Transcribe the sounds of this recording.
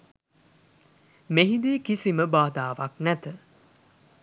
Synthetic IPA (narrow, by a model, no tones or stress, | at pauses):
meɦid̪iːkisiməbaːd̪aːʋaknæt̪ə